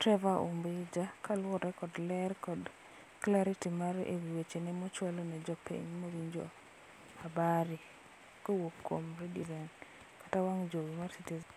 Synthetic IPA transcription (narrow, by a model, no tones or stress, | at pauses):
tɾɛvaʔo̰mbed͡ʒakʰalwɔɾɛkɔdlɛrkɔd | klaɾitimaɾḛwiwet͡ʃenemɔt͡ʃwɛlɔnɛd͡ʒɔpʰḛɲmowiɲd͡ʒo̰ | abaɾi | kowokːwo̰mɾedizɛn | kḁtawaŋd͡ʒowimarsitiz